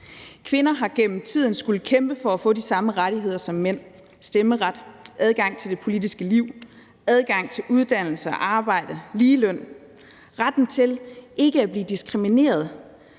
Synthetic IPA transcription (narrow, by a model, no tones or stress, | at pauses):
kʰʋe̝nɐɦɑ̈ɡ̥en̰m̩t͡sʰið̞̰ˠn̩sɡ̥ul̩kʰemb̥əfɒ̽æfɔ̰̽ːd̥isɑ̈məʁaɾiɦe̝ð̞̰ˠɐsɒ̽mːen̰ | sd̥eməʁad̥ʔæð̞ˠɡ̥ɑ̈ŋ̰t͡sʰe̝ld̥e̝pʰo̝lidisɡ̥əliʊ̰ | æð̞ˠɡ̥ɑ̈ŋ̰t͡sʰe̝luð̞ˠd̥æn̰l̩səɒʔɑ̈ːb̥ɑ̈ɪ̰d̥əliːlœn̰ | ʁad̥n̩t͡sʰe̝lʔe̝ɡ̥əæb̥liːd̥isɡ̥ʁimine̝̰ːɐð̞ˠ